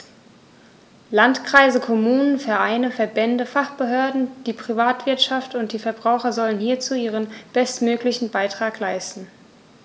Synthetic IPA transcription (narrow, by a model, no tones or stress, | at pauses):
lantkʁ̥aɪzəkʰɔmuːnənfɛɐʔaɪnəfɛɐbɛndəfaχb̥əɦøɐdn̩d̥iːpʁ̥ivaːtv̥ɪɐtʃaftʊntd̥iːfɛɐbʁaʊxɐzɔlənhiːɐt͡suːiːʁ̞ənb̥ɛstmøːklɪçn̩baɪtʁ̥aːklaɪstn̩